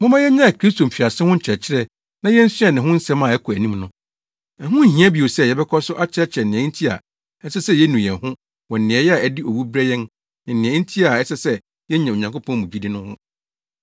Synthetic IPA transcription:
mʊ̃˦mã˦jɛ˦ɲã˦a˨kʰɾi˦stʰo˨m̩˨fi˨a˨sɪ˦hʊ̃˦ɲ̩˨t͡ɕʰɛ˨t͡ɕʰɪ˦ɾɛ˦ | nã˦jɛ˦n̩˦sɪ˦ɛ˨nɪ̃˨ɦʊ̃˦n̩˦sɛ̃˦mãː˦˨ɛ˦kʰɔ˨æ˨nĩ˦mnʊ̃˦ | ɛ˨ɦʊ̃˦n̩˦˨ɦĩ˦æ˦bi˨o˨sɛ˦˨jɛ˨bɛ˦kʰɔ˦sʊ˦ʔa˦t͡ɕʰɪ˦ɾɛ˦t͡ɕʰɾɛ˨nɪ̃˨ɛ̃˨˦n̩˦tʰi˦a̰˨ | ɛ˦sɛ˦sɛ˦jɛ˦nũ˨jɛ̃˨nhʊ̃˦ | wɔ̃˨n̩˨nɪ̃˨ɛ˨jɛ˦a˨ɛ˦dɪ˦ʔo˨wu˦bɾɛ˦jɛ̃˦n | nɪ̃˨n̩ː˨ɪ̃˨ɛ̃˨˦n̩˦tʰi˦a˨ɛ˦sɛ˦sɛ˦ | jɛ˦ɲã˨o˨ɲã˨ŋko˦pʰɔ̃˦n˦mũ˨d͡ʑi˦dɪ˦nʊ̃˦hʊ̰̃˦

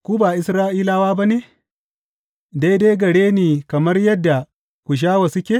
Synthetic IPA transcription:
kʷuː˦baː˨ʔɪ˦sɾaː˦ʔiː˦laː˦waː˦ba˦neː˨ | de˦jde˦jɡɐ˨ɽeː˦niː˨kɐ˨mɐ˦rjɐ˦dːa˨ | kʷu˨ʃ̬aː˦wa˨sʊ˦kʲe˨

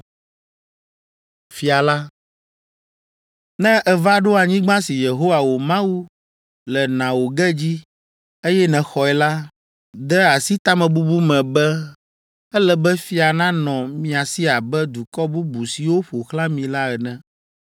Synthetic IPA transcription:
fi˨a˨la˦ | nɛ̃˦ʔɛ˨va˦ɖo˦a˨ɲĩ˦ɡ͡bã˦si˨je˨ɦo˦wa˨wo˨mã˦wu˦ | lɛ˨nã˨wo˨ɡɛ˦d͡ʑi˦ | e˦jɛ˦nɛ̃˨xɔ˨ɛ˨la˦ | d̪ɛ˦a˨si˦t̪a˦mɛ̃˨bu˦bu˦mɛ̃˨bɛ˦ | ɛ˦lɛ˦bɛ˦fi˦a˨nã˦nɔ̃˨mĩ˨a˨si˦a˨bɛ˦d̪u˨kɔ˦bu˦bu˨si˨wo˦ɸo˨xlã˦mĩ˨la˦ɛ˨nɛ̃˦

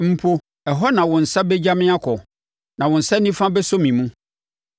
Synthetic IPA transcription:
m̩˦pʰo˦ | ɛ˨ɦɔ˦nã˨wʊ̃˨n̩˨sa˦bɛ˦d͡ʑa˦mɪ̃˦a˦kʰɔ˨ | nã˨wʊ̃˨n̩˨sa˦nĩ˦fã˦bɛ˦sɔ˦mĩ˨mũ˦

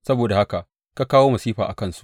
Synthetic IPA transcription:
sɐ˦boː˨da˨ha˦ka˨ʔ | ka˦kaː˦woː˦mɐ˨siː˦ɸaː˨ʔa˨kɐ˦˨nsu̥˦ʔ

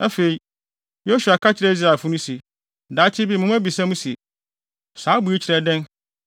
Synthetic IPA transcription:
æ˦fe˨i˨ | jo˦su˨a˨kʰa˦t͡ɕʰɪ˨ɾɛ˦i˦z̬ɾa˨fũ˦nʊ̃˦si˨ | daː˨˦t͡ɕʰɪ˦bi˦mʊ̃˦m˦æ˦bi˨sã˦mũ˦si˨e˨ | saː˨˦bu˨˦e˦t͡ɕʰɪ˨ɾɛ˨dɛ̃˦n

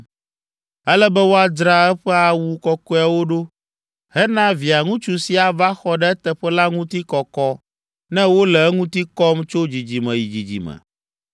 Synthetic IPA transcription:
ɛ˦lɛ˦bɛ˦wo˦a˨d͡ʒɾa˦ɛ˦ɸɛ˦a˨wu˨kɔ˦kɔ˦a˨wo˦ɖo˦ | hɛ˦nã˦vi˨a˨ŋũ˦t͡ʃu˨si˨a˨va˦xɔ˦ɖɛ˦ɛ˦t̪ɛ˦ɸɛ˦la˦ŋũ˦t̪i˦kɔ˨kɔ˦ | nɛ̃˦wo˦lɛ˨ɛ˦ŋũ˦t̪i˦kɔ˦mt͡ʃo˦d͡ʑi˨d͡ʑi˨mɛ̃˨ji˨d͡ʑi˨d͡ʑḭ˨mɛ̰̃˨

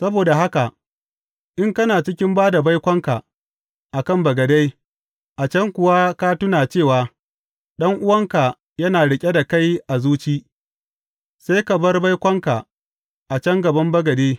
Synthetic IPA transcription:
sɐ˦boː˨da˨ɦa˦ka˨ʔ | ʔɪ˦ŋkɐ˦naː˨t͡ʃɪ˦kʲɪ˦mbaː˦da˨ba˦jkʷɐ˦ŋka˨ | ʔa˨kɐ˦˨mbɐ˨ɡɐ˨da˦j | ʔa˨t͡ʃɐ˦ŋkʷʊ˨wa˦kaː˦tʊ˦naː˨t͡ʃeː˦˨waː˨ | ɗɐ˦ŋʔʊ˦wɐ˦ŋka˨ | jɐ˦naː˨ɽɪ˨kʲʼe˦da˨ka˦jʔa˨zuː˦t͡ʃiː˦ | sa˦jkɐ˨bɐ˦rba˦jkʷɐ˦ŋka˨ | ʔa˨t͡ʃɐ˦ŋɡɐ˨bɐ˦mbɐ˦ɡɐ˨deː˦

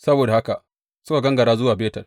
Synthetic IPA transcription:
sɐ˦boː˨da˨ha˦ka˨ | sʊ˦ka˨ɡɐ˦ŋɡɐ˨ɽaː˦zʊ˦waː˨beː˦tɐ˨l

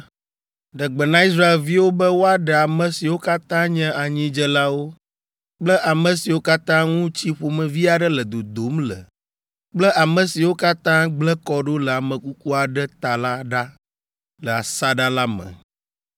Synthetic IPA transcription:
ɖə˨ɡ͡bɛ˨nã˦i˦s̬ɾa˦e˨lvi˦wo˦bə˦wo˦a˦ɖɛ˨a˨mə̃˨si˨wo˦ka˦t̪ã˦ɲɛ̃˦ʔa˨ɲĩ˦d͡ʒɛ˦la˦wo˦ | k͡plə˦ʔa˨mə̃˨si˨wo˦ka˦t̪ã˦ŋũ˦t͡ɕi˦ɸo˨mɛ̃˨vi˦a˨ɖɛ˦lə˨d̪o˨d̪o˨˦mlə̰˨ | k͡plə˦ʔa˨mə̃˨si˨wo˦ka˦t̪ã˦ɡ͡blə˦kɔ˦ɖo˦lə˨a˨mə̃˨ku˦ku˦a˨ɖɛ˦t̪a˨la˦ɖa˦ | lə˨a˨sa˦ɖa˦la˦mə̰̃˨

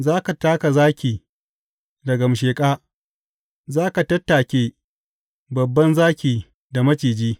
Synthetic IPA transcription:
zaː˦ka˨taː˦ka˨zaː˦kʲiː˨ | dɐ˨ɡɐ˨m˨ʃeː˨kʼaː˦ | zaː˦ka˨tɐ˦tːaː˨kʲeː˨ | bɐ˨bːɐ˦nzaː˦kʲiː˨ | da˨mɐ˦t͡ʃiː˨d͡ʒiː˦

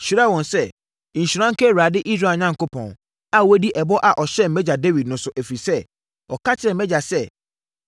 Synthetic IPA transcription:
ɕi˨ɾa˦˨wɔ̃˨n̩˨sɛ˦˨ | n̩˨ɕu˨ɾã˦ŋ̩˦ke˦˨ɾa˨dɪ˦ʔi˦s̬ɾe˨ɲã˦ŋ˨ko˦pɔ̰̃˨n˨ | a˦wo˦di˦ʔɛ˨bɔ˦ʔa˨ʔɔ˨ɕɛ˦m̩˨mɛ˦d͡ʑa˨de˦vi˨dnʊ̃˨˦sʊ˨ʔe˨fi˨sɛ˦˨ | ɔ˨ka˦tʰɪ˦˨ɛ̃˨m˦mɛ˦d͡ʑa˨sɛ˦˨

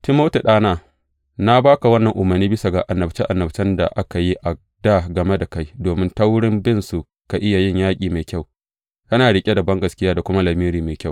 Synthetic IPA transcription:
tɪ˦mːa˦wta˨ɗaː˦naː˦˨ | na˦baː˦ka˨wɐ˦nːɐ˨ŋʔʊ˨mɐ˨rnːiː˦bɪ˦sa˨ɡa˨ʔa˨nːɐ˨bt͡ʃe˦ʔa˨nːɐ˨bt͡ʃɛ˦nda̰˨ʔa˦ka˨ji˦ʔa˨ | da˦˨ɡɐ˨me˦da˨ka˦jdoː˨mɪ˦nta˦wɽɪ˦mbɪ˦nsu˨ | ka˨ʔɪ˦ja˨jɪ˦˨ɲjaː˦kʲʼiː˨meː˨kʲa˦˨w | kɐ˦naː˨ɽɪ˨kʲʼe˦da˨bɐ˦ŋɡɐ˨skʲɪ˦jaː˦da˨kʷʊ˦ma˦lɐ˨miː˦ɾiː˨meː˨kʲa˦˨w

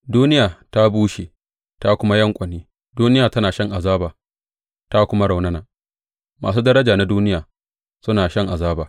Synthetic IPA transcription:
duː˦nɪ˦jaː˨ta˦buː˦ʃe˨ | ta˦kʷʊ˦ma˦jɐ˦ŋkʷʼɐ˨niː˦ | duː˦nɪ˦jaː˨tɐ˦naː˨ʃɐ˦ŋʔa˨zaː˦baː˨ | ta˦kʷʊ˦ma˦ɽa˨wnɐ˦naː˨ | ma̰ː˨s̬uː˦dɐ˦ɾɐ˦d͡ʒaː˨na˦duː˦nɪ˦jaː˨ | sʊ˦naː˨ʃɐ˦ŋʔa˨zaː˦baː˨

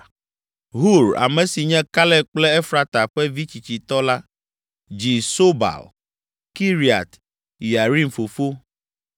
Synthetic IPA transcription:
ɦu˦˨ɾa̰˨mɛ̃˨si˨ɲɛ̃˦ka˦lɛ˦k͡plɛ˦ɛ˦fɾa˦t̪a˨ɸɛ˦vi˦t͡ɕi˨t͡ɕi˨t̪ɔ˦la˦ | d͡ʑi˨so˦ba̰˨l | ki˦ɾi˨a̰˨t̪ | ja˨ɾi˦nfo˨fo˦

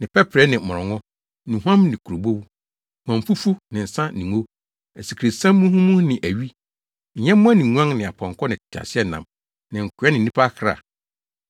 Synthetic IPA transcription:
nɪ̃˨pʰɛ˦pʰɾɛ˨˦nɪ̃˨mɔ˨ɔ˨ŋɔ̃˦ | nũ˨ɦu˦ã˦mnɪ̃˨kʰu˨ɾo˨bo˦wu˦ | hũ˨ã˨m˨fu˦fu˦nɪ̃˨n̩˨sã˦nĩ˨ŋo˦ | ɛ˨si˨kʰɾi˨sã˦mːũ˦hũ˦mũ˦nɪ̃˨ʔæ˨ɥi˦ | ɲ̩˨ɲɛ̃˦mʊ̃˦a˦nĩ˨ŋũ˦ã˦ŋnɪ̃˨a˨pʰɔ̃˨ŋkʰɔ˦nɪ̃˨tʰa̰˨sɪ˦ɛ˦nã̰˨m | nɪ̃˨ŋ̩˨kʰʊ˨˦ɛ˦nɪ̃˨˦nĩ˦pʰa˦kʰɾa̰˨

